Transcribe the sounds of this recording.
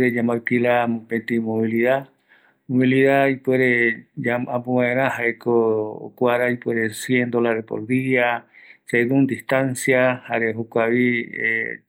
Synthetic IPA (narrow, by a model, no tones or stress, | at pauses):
ɾed͡ʒamaɾkilamũpet̪imoβiliða | moβiliðaipweɾeaʔampowãẽɾãhaekoo̰kʷaɾaipweɾesjend̪olaðepo̰ɾd̪iat͡ʃeðund̪iht̪ansjahaɾeɦokʷaβiḛ